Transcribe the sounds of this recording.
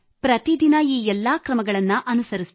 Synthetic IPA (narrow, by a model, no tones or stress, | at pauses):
pɾɐt̪id̪inɐiːɛlːakɾɐmɐɡɐɭɐnːɐʔɐnusɐɾis